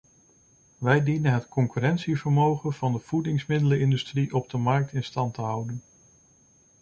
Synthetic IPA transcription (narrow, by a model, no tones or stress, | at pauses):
ʋɛjdinənɦətkɔŋkyrɛntsivəɹmowχənv̥ɑndəv̥udɪŋsmɪdələɪndystriʔɔb̚dəmɑɹk̚tɪnstɑntəɦʌwdən